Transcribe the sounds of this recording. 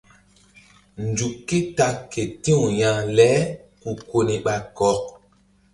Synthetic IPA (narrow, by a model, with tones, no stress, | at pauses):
n˨d͡ʒu˨kːe˦ta˦kːe˨tĩ˦ũ˨jã˨lɛ˨˦ku˨ko˨ni˨ɓa˨kɔ˨˦k̚